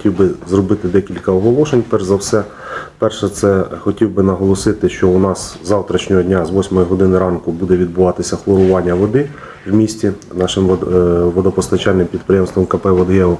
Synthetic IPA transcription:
tʲiwbɪzrɔbɪt̪ɪd̪ɛkʲilʲkɐɔɦɔlˠɔʃenʲpɛrʒzɐwsɛ | pɛrʃɛt̪sɛxɔtʲiwbɪnɐɦɔlˠɔsɪt̪ɪʃt͡ʃɔʊnɑszɑwt̪ɾɐt͡ʃnʲɔɦɔdʲnʲazʋɔsʲmɔjiɦɔd̪ɪnɪɾɑnkʊbud̪ɛʋʲid̪̚bʊʋɑt̪ɪsʲɐxlˠɔɾʊʋɑnʲːɐʋɔd̪ɪ | wmʲisʲtʲi | nɑʃɪmʋɔd̪ɔpɔst̪ɐt͡ʃɑlʲnɪmpʲid̪̚pɾɪjɛmst̪ʋɔmkɐpɛʋɔd̪jɛɔ

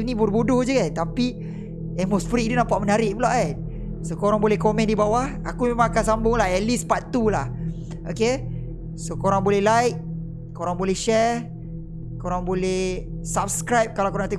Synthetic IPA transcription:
fnĩbodbodʊhd͡ʒəɡant̪api | ɛmosfɾiʔdenapaʔmənaɾɪʔbəlaʔat̚ | sokoɾaŋbolɛhkomɛ̃ndibawah | akumemãŋakansambʊŋlaɦɛlispat̪ulah | oke | sokoɾaŋbolɛhlajk̚ | koɾaŋbolɛhʃɛr | koɾaŋbolɛh | sap̚skɾajp̚kalawkoɾaŋt̪u

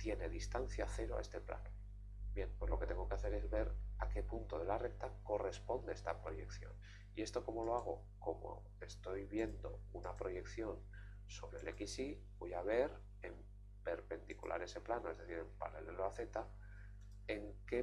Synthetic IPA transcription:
t̪je̞neðist̪an̟θjaθe̞ɾoa̰e̞st̪e̞pla̰no | bje̞npwe̞zlo̞ket̪e̞ŋɡo̞ke̞aθe̞ɾezβe̞ɾake̞punt̪oðe̞lare̞k̚t̪ako̞re̞spo̞nd̪eest̪apɾo̞je̞kθjo̞̰n | ie̞st̪o̞ko̞mo̞lo̞aɣ̞o̞ | ko̞mo̞̰ | e̞st̪o̞jβje̞nd̪o̞unapɾo̞je̞kθjo̞n | so̞βɾe̞le̞kisi | bo̞jaβ̞e̞ɾ | em | pe̞ɾpe̞nd̪ikṵlʔa̰ɾe̞se̞planoe̞zðe̞θiɾe̞mpa̰neleloaθe̞t̪a | e̞ŋke̞

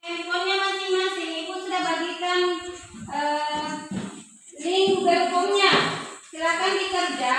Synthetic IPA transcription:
ɛmpɔɲamasɪŋmasɪŋimusudahbaɡikanʔə | liŋɡubɛmpɔŋɲasilakanbikərd͡ʒa

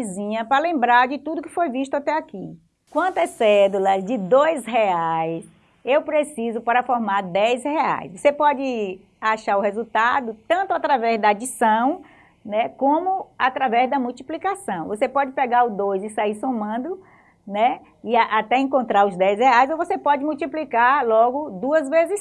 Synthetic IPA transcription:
izĩɲɐpɾɐlẽmbɾaɾd͡ʒɪt̪ud̪ʊkɪfojviʃt̪ʊat̪ɛaki | kwɐ̃nt̪ɐsɛd̪ulɐzd͡ʒɪd̪ojsɦeajs | ewpɾesizʊpaɾɐfɔɾmaɾd̪ɛshea̰jsvosepɔd͡ʒɪ | aʃaɾʊhezut̪ad̪ʊt̪ɐ̃nt̪ʊat̪ɾavɛzd̪ɐad͡ʒisɐ̃w̃ | nɛkõmʊat̪ɾavɛzd̪ɐmuwt͡ʃiplikasɐ̃w̃vosepɔd͡ʒɪpeɡaɾʊd̪ojzɪsaiɾsõmɐ̃nd̪ʊ | nɛ | ɪaʔat̪ɛĩkõnt̪ɾaɾʊzd̪ɛjsheajzovosepɔd͡ʒɪmuwt͡ʃiplikaɾlɔɡʊd̪uɐzvezɪs

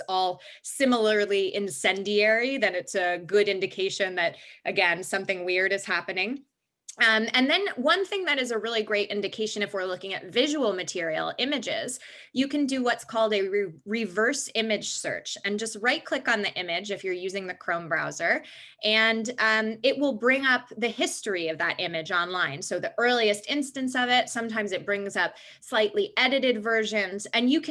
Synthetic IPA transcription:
ɔlˠ | sɪ̃ml̩ˠə˞liʔɪ̃nsɛ̃ndiɛɹiðɨ̃nɨtsɨɡʊɾɪ̃ndɨkʰeɪʃɨ̃nðɨɾʔɨɡɛ̃nsʌ̃mθɪ̃ŋwɪɹɾɨz̥hæpɨnɪ̃ŋ | mɨ̃nðɨ̃nwʌ̃nθɪ̃ŋðɨɾɨzɨɹɪlˠiɡɹeɪɾʔɪ̃ndɨkʰeɪʃɨ̃ñɨfwɪɹlʊkɪ̃ŋɨ̰tvɪʒəl̩ˠmɨtʰɪɹil̩ˠɪ̃mɨd͡ʒɪ̰z̥ | jɨkɨ̃ndɨwʌtskʰɔlˠdɨɹɹivɜ˞sɪ̃mɨd̥ʒ̥sɜ̰˞t͡ʃɨ̃nd͡ʒʌst̚ɹaɪt̚kʰl̥ɪkn̩ðiʔɪ̃mɪd͡ʒɨfjə˞jʉzɪ̃ŋðɨkʰɹ̥õʊ̃nbɹa̰ʊzə˞ | ʔɨ̃nd̃ɪʔ̚wɪlˠbɹɪ̃ŋʌp̚ðɨhɪstɹ̥iʌvðə̰ɾʔɪ̃mɨd͡ʒɑ̃nlãɪ̃nsoʊðiʔɜ˞lˠiɨstɪ̃nstɨ̃nsʌvɪtsʌ̃mtʰãɪ̃mzɨt̚b̥ɹɪ̃ŋzʌp̚ | slaɪʔˡliʔɛɾɨɾɨdvɜ˞ʒɨ̃nzɨ̃njɨkʰ

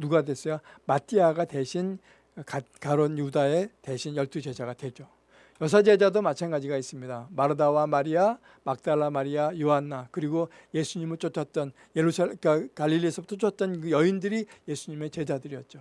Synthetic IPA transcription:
nuɡadwe̞s͈ʌjomatʰiaɡade̞ɕʰin | kakaɾonjudae̞te̞ɕʰinjʌɭt͈ud͡ʑe̞d͡ʑaɡadwe̞d͡ʑo | jʌsʰad͡ʑe̞d͡ʑadomat͡ɕʰanɡad͡ʑiɡais͈ɯmɲidamaɾɯdawamaɾia | mak̚t͈aɭːamaɾiajoɦanːakɯɾiɡo | je̞sʰuɲimɯɭt͡ɕ͈ot͡ɕʰʌt̚t͈ʌn | jeɾusʰkakaʎːiʎːiesʰʌbut͈ʰot͡ɕʰʌt̚t͈ʌnkɯjʌindɯɾije̞sʰuɲime̞t͡ɕe̞d͡ʑadɯɾijʌt̚t͡ɕ͈o

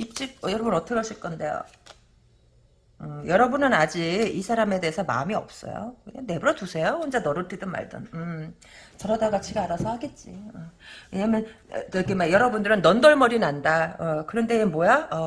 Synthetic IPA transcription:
it͡ɕ͈ik̚ʌjʌɾʌbunʌt͈ʰʌɡʌɕʰik͈ʌnde̞jo̰ | ɯjʌɾʌbunɯnad͡ʑiisʰaɾame̞de̞ːsʰʌma̰miʌ̰p̚s͈ʌ̰jo̰ane̞buɾʌtusʰe̞joond͡ʑanʌɾɯtʰidɯnma̰ɭdɯ̰nɯ | t͡ɕʌɾʌdaɡat͡ɕʰiɡaɾasʰʌhaɡe̞t̚t͡ɕ͈iʌwe̞ɲamjʌn̰ʌk͈emajʌɾʌbundɯɾɯnːʌndʌɭmʌɾinandaʌkɯɾʌnde̞mwʌjaʌ

